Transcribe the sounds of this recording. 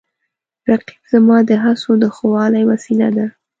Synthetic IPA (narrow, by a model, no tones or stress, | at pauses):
ɾaqi̥bzamɑd̪əɦasod̪əxowɑlajwasila̰d̪a